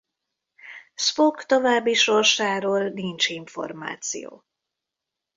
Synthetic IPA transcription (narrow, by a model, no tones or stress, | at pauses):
sfokt̪o̞vaːbːiʃo̞rʃaːɾoːlnint͡ʃiɱfo̞̰rma̰ːt̪sḭjo̰ː